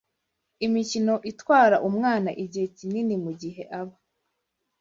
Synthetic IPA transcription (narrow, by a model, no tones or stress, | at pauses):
imicino̞ʔitwaːɾaʔumŋaːnaʔiɟihecininimuɟiɦe̞ʔaβa